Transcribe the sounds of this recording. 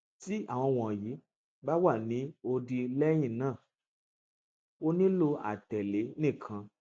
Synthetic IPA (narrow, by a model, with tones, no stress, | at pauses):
ti˦a˦˨w̃ɔ̃˧w̃ɔ̃˨ji˨˦ | ba˦wa˦˨nĩ˨˦o˧di˧lɛ˦j̃ĩ˦˨nãː˦˨ | o˦nĩ˦lo˧a̰˨tɛ˨le˨˦nĩ˦˨kʰã˧